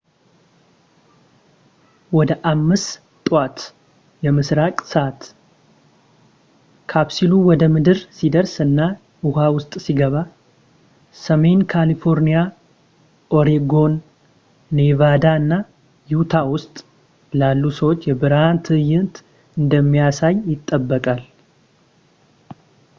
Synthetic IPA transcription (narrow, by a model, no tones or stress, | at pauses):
wɔd̪əʔamːɨs | t̪ʼat̪ | jɛmɨsɾakʼsəʔat̪ | kʰabsiluwɔd̪əmɨd̪ɨɾsid̪əɾsɨnːa | uhawʊst̪ʼsiɡəβa | səme̞nkʰalifo̞ɾnija | ʔo̞ɾiɡo̞nː | evad̪aɨnːa | jut̪ʰawʊst̪ʼ | lalːusəwot͡ʃːjɛbɨɾant̪ʰɨjɨnt̪ | ɨnd̪əmːijasajːɪt̪ʼːəbːəkʼal